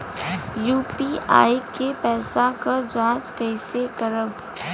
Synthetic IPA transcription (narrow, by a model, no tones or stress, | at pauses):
juːpiːa̰ːikepɛːsãkad͡ʒãːt͡ʃkɛɪsekəɾəb